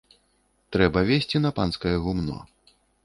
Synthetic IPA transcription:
t̪ɾɛbɐvʲesʲt͡sʲinɐpanskɐjɐɣumnɔ̰

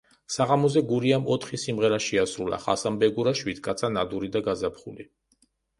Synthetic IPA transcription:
saʁamɔzɛɡuɾiamɔt̪ʰχisimʁɛɾaʃiasɾulˠa̰χasambɛɡuɾaʃwit̪kʼat̪sʰanad̪uɾid̪aɡazapχuli

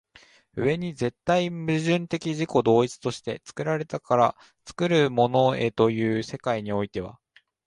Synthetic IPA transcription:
ɯ̟βe̞ɲ̟ize̞t̪ːaimɯ̟ʑɨ̃nt̪e̞kʲiʑiko̞d̪o̞ːit͡sɨ̥t̪o̞ɕi̥t̪e̞̰t͡sɨ̥kɯ̟ɾaɾe̞t̪akʰaɾa | t͡sɨ̥kɯ̟ɾɯ̟mo̞no̞e̞t̪o̞jɯ̟ːse̞kaiɲ̟io̞it̪e̞β̞a̰

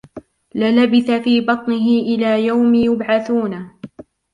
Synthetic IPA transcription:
lɪlabɪθafiːbɑt̪ˤnɪɦɪʔɪlaːjawmjʊbʕaθuːna

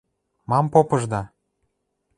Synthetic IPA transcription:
mɑmpopɤ̆ʒd̪ɑ

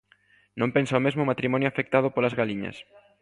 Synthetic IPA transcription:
nõmpensaomezmomat̪ɾimɔ̃njoafek̚t̪aðopolazɣaliɲɐ̰s

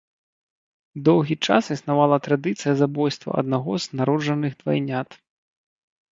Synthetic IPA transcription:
d̪ɔwɣʲit͡ʂasisnavalˠɐt̪ɾad̪ɨt̪sɨjɐzabɔjst̪vɐ̰ʔɐ̰d̪̚naɣɔznaɾɔd͡ʐɐnɨɣd̪vajnʲat̪

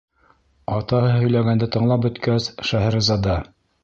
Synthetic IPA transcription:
ɑt̪ɑhɤhɵ̆jlæɡænd̪ɘt̪ɤ̆ɴlˠɑp̚bɵ̆t̪kæsʃæɦæɾɘzɑd̪ɑ

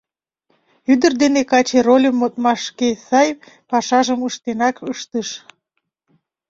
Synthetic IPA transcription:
yd̪ərd̪enekɑt͡ɕerolʲəmːot̪̚mɑʃkesɑj | pɑʃɑʒəməʃt̪enɑkʰəʃt̪əʃ

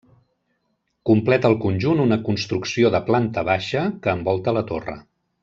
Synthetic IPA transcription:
kumplɛt̪əlˠkunʲʒununəkunst̪ɾuksioðəplant̪əβaʃəkəːmbɔlˠt̪ələt̪orə̰

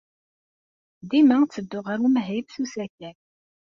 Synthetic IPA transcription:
d̪imæŋt͡sːəd̪ːʊʁaɾumɦæjbθusæçæ

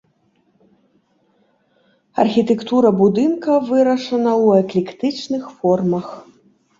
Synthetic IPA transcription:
ɐ̰rxʲit̪ɛkt̪uɾɐbud̪ɨnkɐvɨɾɐʂɐnɐwɛklʲikt̪ɨt͡ʂnɨxfɔrmɐx

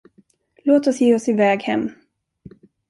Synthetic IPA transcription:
loːt̪ɔsjeːɔsɪvɛːɡhɛmː

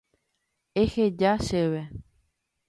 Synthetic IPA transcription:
exed͡ʒaʃeβe

